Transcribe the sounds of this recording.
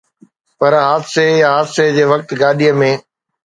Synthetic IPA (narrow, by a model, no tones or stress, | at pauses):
pɐɾɦaːd̪sejaɦaːd̪sed͡ʑeːʋɐk̚t̪ɡaːɗijəmẽː